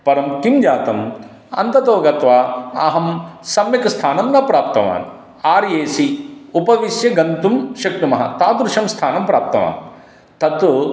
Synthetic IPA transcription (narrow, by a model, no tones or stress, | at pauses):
pɐɾɐmkimd͡ʒaːt̪ɐm | ɐ̰nt̪ɐt̪oːɡɐt̪ʋaːɐɦɐmsɐmjɐkɐst̪ʰaːnɐmnɐpɾaːp̚t̪ɐʋa̰ːn | aːɾjeːsiupɐʋisjɐɡɐnt̪umʃɐk̚ʈumɐɦɐ̰t̪aːd̪ɾʃɐmst̪ʰaːnɐmpɾaːp̚t̪ɐʋa̰ːn | t̪ɐt̪ːu